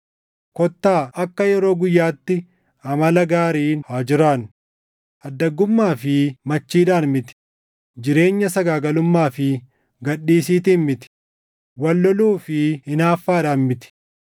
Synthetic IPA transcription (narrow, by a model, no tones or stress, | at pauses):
kɔt̪ːaːʔɐkːɐjɛɾo̞ːɡʊjːaːt̪ːɪ | ɐmɐlɐɡaːɾiːnhaːd͡ʒɪɾaːn | ʔɐd̪ːɐɡːʊmːaːfɪmɐt͡ʃːiːᶑaːnmɪt̪ɪ̥ | d͡ʒɪɾe̞ːɲːɐsɐɡaːɡɐlʊmːaːfɪ | ɡɐɗːiːsiːt̪ɪːnmɪt̪ɪ̥ | wɐlːɔluːfɪhɪnaːfːaːᶑaːnmɪt̪ɪ̥